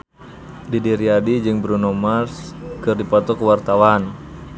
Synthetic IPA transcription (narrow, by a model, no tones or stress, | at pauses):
didiɾiadid͡ʒɨŋbɾunomaskərdipat̪ɔkəwart̪awan